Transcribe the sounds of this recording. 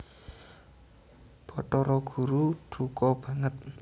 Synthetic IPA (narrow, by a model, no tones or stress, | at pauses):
b̥ɔ̤ʈɔɾɔɡ̥ṳɾuɖ̥ukɔb̥a̤ŋət̪̚